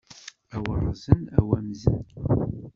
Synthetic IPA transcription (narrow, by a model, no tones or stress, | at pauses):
æwɑrˤzənæwæmzə̰n